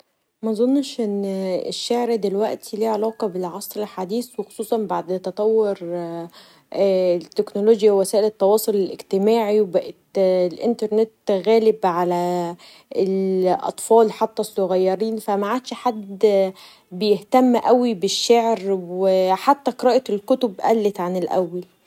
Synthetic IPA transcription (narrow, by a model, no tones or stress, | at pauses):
mæzˤonːʃʔenːeʃːeʕɾd̪elwæʔt̪ʰiliːʕelɑːqɑbelʕɑsˤɾelħad̪iːswexo̥sˤuːsˤɑnbaʕd̪t̪ɑt̪ˤɑwːoɾ | t̪ːeknoloːɡjæwwæsæːʔelet̪ˤːɑwɑːsˤolelʔeɡt̪ɪmaːʕiwbæʔet̪lʔɪnt̪ɑɾˤnet̪ɣæːlɪbʕalæ | elʔɑ̰t̪ˤfɑːlħat̪ːæsːoɣæjːɑɾiːnfæmaʕaːd̪ʃħad̪ː | bejeht̪æmːʔæwibeʃːeʕɾweħat̪ːæqɾɑʔt̪elkʊt̪obʔæ̰lːet̪ʕanɪlʔæ̰wːæl